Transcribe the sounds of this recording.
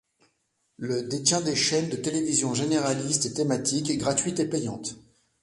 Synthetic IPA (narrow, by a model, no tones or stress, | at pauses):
ləd̪et̪jɛ̃d̪eʃɛnd̪ət̪elevizjɔ̃ʒeneʁalist̪et̪emat̪ikɡʁat̪ɥit̪epɛjɑ̃t̪